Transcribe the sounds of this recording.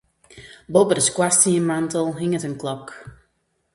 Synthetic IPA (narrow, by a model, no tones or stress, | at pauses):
bɔbədəskwastiəmantəlˠɦiŋətənklɔk